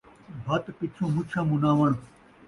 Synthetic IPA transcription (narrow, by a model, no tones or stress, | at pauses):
bʱɐt̪pɪt͡ʃʰõːmut͡ʃʰãːmũnaːʋəɳ̃